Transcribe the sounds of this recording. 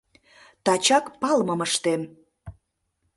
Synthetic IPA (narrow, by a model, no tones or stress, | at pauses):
t̪ɑt͡ɕɑkpɑlməməʃt̪em